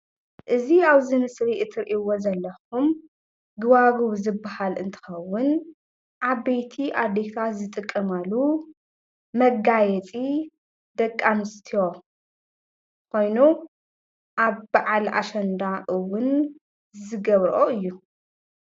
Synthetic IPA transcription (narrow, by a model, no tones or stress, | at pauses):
ʔɨziaβzɨnɨsɾiʔɨt̪ʰɨɾʔiwozɐlːɐxum | ɡɨβaɡuβzɨbːahalʔɨnt̪ʰɨ̥xɐwːʊn | ʔaβbejt̪ʰiʔad̪et̪ʰat̪zɨt̪ʼɨkʼːɐmalu | mɐɡajɛt͡sʼi | d̪ɐkʼːanɨst̪ʰijo̞ | kʰo̞jnu | ʔaβbaʕalʔa̰ʃɐnd̪aʔɨwʊn | zɨɡɐβɾʔoɨjːu